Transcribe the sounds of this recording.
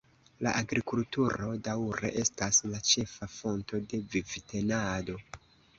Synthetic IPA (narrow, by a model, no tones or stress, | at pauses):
laʔaɡɾikultuɾo̞dawɾḛʔe̞staslat͡ʃe̞fafo̞nto̞de̞vivite̞nado̞